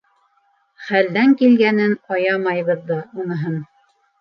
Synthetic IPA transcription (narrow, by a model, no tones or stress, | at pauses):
χæld̪æŋkilɡænɘnɑjɑmɑjβɤðːɑunɤ̆ɦɤn